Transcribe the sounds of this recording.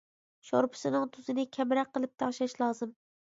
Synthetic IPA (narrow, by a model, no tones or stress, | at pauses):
ʃo̰ɾpʰɪ̥sɨnɨŋt̪ʰuzɨnɪkʲʰɛmɾæqqːəlˠɪp̚t̪ʰɑχʃɛʃlˠɑːzɨm